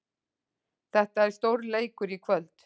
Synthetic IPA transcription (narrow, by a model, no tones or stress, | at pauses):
θɛht̪aɛɾ̥st̪owɾleːjkʏɾikʰvœlt̪